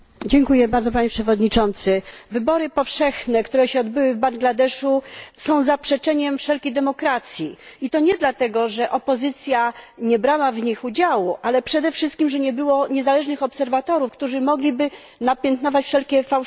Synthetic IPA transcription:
d͡ʑɛŋkujɛbaɾd̪zɔpaɲɛpʂɛvɔd̪ɲit͡ʂɔnt̪sɘvɘbɔɾɘpɔfʂɛxnɛkt̪uɾɛɕɛɔd̪bɘwɘvbaŋɡlad̪ɛʂusɔ̃w̃zapʂɛt͡ʂɛɲɛmfʂɛlkʲejd̪ɛmɔkɾat̪sʲjiit̪ɔɲɛd̪lat̪ɛɡɔʐɛʔɔpɔzɘt̪sʲjaɲɛbɾawavɲixud͡ʑawuʔalɛpʂɛd̪ɛfʂɘst̪kʲimʐɛɲɛbɘwɔɲɛzalɛʐnɘxɔpsɛɾvat̪ɔɾufkt̪uʐɘmɔɡlʲibɘ | napʲjɛnt̪nɔvat͡ɕfʂɛlkʲɛfaw

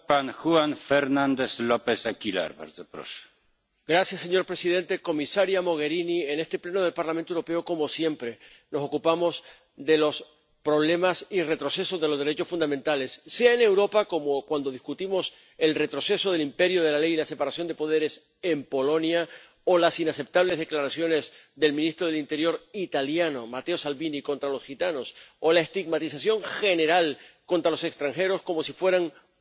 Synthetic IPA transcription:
panxuanfeɾnãnd̪eslopesakila̰ɾba̰ɾzepɾo̰s | ɡɾasjasːe̞ɲo̞ɾpɾe̞siðe̞nt̪e̞ko̞misaɾjamo̞ɣ̞e̞ɾiniene̞st̪e̞ple̞noð̞e̞lpaɾlamẽnt̪oewɾope̞o̞ko̞mo̞sje̞mpɾe̞ | no̞so̞kupamo̞z | ðe̞lo̞s | pɾo̞βle̞masire̞t̪ɾo̞se̞so̞zðe̞lozðe̞ɾe̞t͡ʃo̞sfund̪amẽnt̪ale̞sːe̞aene̞wɾo̞pako̞mokwand̪o̞ð̞iskut̪imo̞s | e̞lre̞t̪ɾo̞se̞so̞ðe̞limpe̞ɾjoð̞e̞lalejilase̞paɾasjo̞nd̪e̞po̞ð̞e̞ɾe̞s | e̞mpo̞lo̞nja | olasinase̞p̚t̪aβ̞le̞zðe̞klaɾasjo̞ne̞z | ðe̞lmĩnist̪ɾo̞ðelint̪e̞ɾjo̞ɾit̪aljano̞mat̪eo̞salβiniko̞nt̪ɾalo̞sxit̪ano̞solae̞st̪iɡmat̪isasjo̞ŋxe̞ne̞ɾalkont̪ɾalo̞sekst̪ɾaŋxe̞ɾo̞sko̞mo̞sifwe̞ɾaŋ

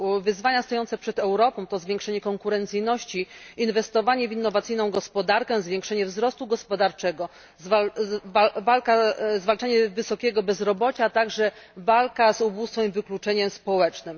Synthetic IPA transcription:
vɘzvaɲast̪ɔjɔnt̪sɛpʂɛd̪ɛwɾɔpɔ̃w̃t̪ɔzvʲjɛ̃ŋkʂɛɲɛkɔŋkuɾɛnt̪sɘjnɔɕt͡ɕiinvɛst̪ɔvaɲɛvʲinːɔvat̪sɘjnɔ̃w̃ɡɔspɔd̪aɾkɛ̃zvʲjẽŋkʂɛɲɛvzɾɔst̪uɡɔspɔd̪aɾt͡ʂɛɡɔ | zvavavalkazvalt͡ʂaɲɛvɘsɔkʲɛɡɔbɛzɾɔbɔt͡ɕat̪aɡʐɛvalkazubust̪fɛ̃mivɘklut͡ʂɛɲɛmspɔwɛt͡ʂnɘm

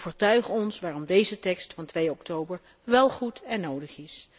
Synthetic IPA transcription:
vəːɹtœɥχɔnsʋaːrɔmdejzətɛkstfɑntʋejɔktowbəɹ | ʋɛlˠχutʰɛnːowdəχɪs

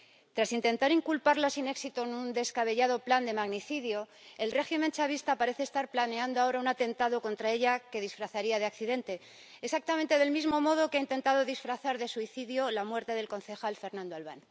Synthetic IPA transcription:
t̪ɾasint̪e̞nt̪aɾiŋkulpaɾlasine̞ksit̪onũnd̪e̞skaβe̞ʝað̞o̞pland̪e̞maɣniθiðjo̞ | e̞lre̞ximẽ̞nt͡ʃaβ̞ist̪apaɾe̞θest̪aɾplane̞and̪oao̞ɾaunat̪e̞nt̪aðo̞ko̞nt̪ɾae̞ʎake̞ð̞isfɾaθaɾiað̞eakθiðe̞nt̪e̞ | esak̚t̪amẽnt̪e̞ð̞e̞lmizmo̞mo̞ð̞o̞keaint̪e̞nt̪að̞o̞ðisfɾaθaɾðe̞suiθiðjo̞lamwe̞ɾt̪e̞ðe̞lko̞nθe̞xalfe̞ɾnãnd̪oalβan

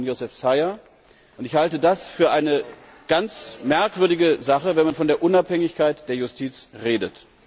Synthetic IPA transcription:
njozɛfsaɪɐ | ʔʊntɪçhaltədasfyːɐʔaɪnə | ɡ̥ant͡smɛɐkv̥ʏɐdɪɡəzaχəvɛnmanfɔndeːɐʔʊnaphɛŋɪçkaɪtd̥eːɐjʊstʰiːt͡sʁeːdət

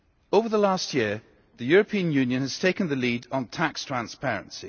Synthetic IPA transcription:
ovə˞ðəlastʰjiə | ðəjɔɹəpʰĩə̃njʉ̃njə̃nəz̥tʰeɪkə̃nðəlidn̩tʰakstʰɹ̥ãnspɛɹə̰̃nsi

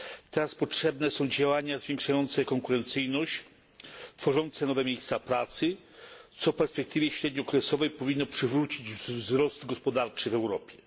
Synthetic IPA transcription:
t̪ɛɾaspɔtʂɛbnɛsɔ̃w̃d͡ʑawaɲazvʲjeŋkʂajɔnt̪sɛkɔŋkuɾɛnt̪sɘjnɔɕt͡ɕ | t̪fɔʐɔnt̪sɛnɔvɛmʲjejst̪sapɾat̪sɘ | t̪sɔfpɛɾspɛk̚t̪ɘvʲjɛɕɾɛd̪ɲɔkɾɛsɔvɛjpɔvʲinːɔpʂɘvɾut͡ɕid͡ʑvzɾɔsd̪ɡɔspɔd̪aɾt͡ʂɘvɛwɾɔpʲjɛ

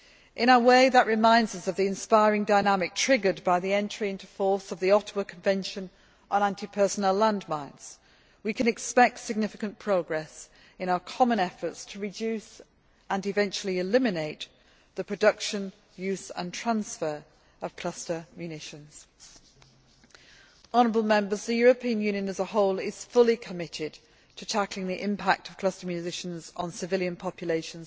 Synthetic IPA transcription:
ʔɪ̃ɾ̃aʊəweɪðəʔɹɪmãɪ̃ndzəsəvðiɨ̃nspaɪɹɪ̃ŋdaɪnamɪk̚tʰɹ̥ɪɡə˞d̚baɪðiɛ̃ntɹ̥iɪ̃ntufɔɹsəvðiɒtəwəkʰə̃ɱvɛ̃nʃə̃n | ə̃nãntipʰɜˑ˞sənəlãndmãɪ̃nz̥ | wikʰɨ̃nɨkspɛk̚tsɪɡ̚nɪfɪkə̃npʰɹ̥oʊɡɹɛs | ɨ̃ñaʊəkʰɒmə̃nɛfətstʰəɹɨd͡ʒʉs | ə̃nɨvɛ̃nt͡ʃl̩ˠiɪlɪmɨneɪʔ̪ | ðəpʰɹ̥ədʌkʃə̃n | jʉˑzə̰̃ntʰɹ̥ãnsfəɹ | əv̥kʰl̥ʌstəmjʉnɪʃə̃nz̥ | ɒnəɹəbəl̩ˠmɛ̃mbəzðəjɔːɹəpʰĩə̃njʉːnjə̃nəzəhɒʊlɪz̥fʊlikʰəmɪtʰɪd̚ | tʰətʰaklɪ̃ŋðiʔɪ̰̃mpʰak̚tʰəv̥kʰl̥ʌstəmjʉɪʃə̃nzn̩sɪvɪljə̃npʰɒpʰjəleɪʃə̃nz̥

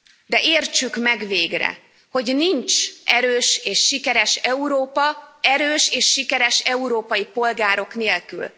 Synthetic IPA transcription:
d̪ɛʔeːrt͡ʃykmɛɡveːɡrɛ̰ | ho̞ɟnint͡ʃʔɛɾøːʃeːʃːikɛɾɛʃɛuɾoːpɒɛɾøːʃeːʃːikɛɾɛʃɛuɾoːpɒjipo̞lɡaːɾo̞kneːlky̰l

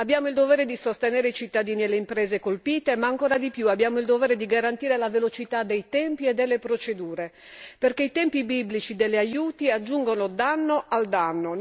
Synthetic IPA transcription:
abːjaːmoild̪ovɛːɾed̪isost̪enɛːɾeit͡ʃit̪ːad̪iːniɛleimpɾɛːzekolpiːt̪emaːŋkoːɾad̪ipjuabːjaːmoild̪ovɛːɾed̪iɡaɾant̪iːɾelavelot͡ʃit̪ad̪ejt̪ɛmpiɛd̪ːelːepɾot͡ʃed̪uːɾe | perkeit̪ɛmpibiblit͡ʃid̪elːajuːt̪iad͡ʒːuŋɡonod̪anːoʔald̪anːo

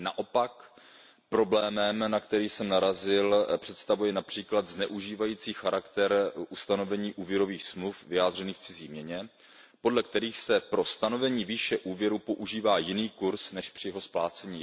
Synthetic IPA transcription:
naʔo̞pak | pɾo̞blɛːmɛmnakt̪ɛɾiːsɛmnaɾazɪlpr̝̥ɛt̪st̪avujɛnapr̝̥iːklad̪znɛʔuʒiːvajiːt͡siːxaɾakt̪ɛɾʔust̪ano̞vɛɲiːʔuːvjɛɾo̞viːxsmlufvɪjaːd̪r̝ɛniːxft͡sɪziːmɲɛɲɛ | po̞dlɛk̚t̪ɛɾiːxsɛpɾo̞st̪ano̞vɛɲiːviːʃɛʔuːvjɛɾupo̞ʔuʒiːvaːjɪniːkuɾsnɛʃpr̥ɪjɛɦo̞splaːt͡sɛɲiː

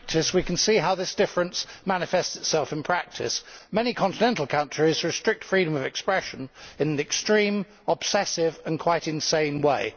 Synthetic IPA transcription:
k̚tʰɨswikʰn̩siɦaʊðɪsd̥ɪfɹɨ̃nsmænɨfɛstsɨtsɛlˠfɨ̃npʰɹ̥æk̚tʰɪ̰smɛnikʰɑ̃ntɨnɛ̃ntˡl̩ˠkʰʌ̃nt͡ʃɹ̥izɹɨstɹ̥ɪk̚tfɹiɾə̃mʌvɨkspɹɛʃɨ̃nɨ̃nɨ̃nɨkstɹ̥ĩm | əb̥sɛsɪvə̃nkʰw̥aɪɾɨ̃nsẽɪ̃nweɪ

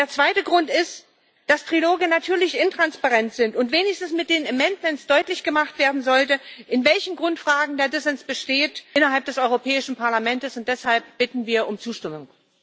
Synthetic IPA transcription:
deːɐt͡sv̥aɪtəɡʁʊntɪst | d̥astʁ̥iloːɡənatʰyːɐlɪçɪntʁ̥anspaʁɛntz̥ɪntʊntv̥eːnɪçstn̩smɪt̚d̥eːnemɛntmɛntsd̥ɔʏtlɪçɡ̥əmaχtv̥eːɐdn̩zɔltəʔɪnvɛlçn̩ɡʁʊntfʁ̥aːɡŋ̩deːɐdɪsɛnsb̥əʃteːtɪnɐɦalp̚d̥ɛsʔɔʏʁopʰɛːɪʃn̩pʰaɐlamɛntəsʊnt̚d̥ɛshalp̚b̥ɪtn̩viːɐʔʊmt͡suːʃtɪmʊŋ

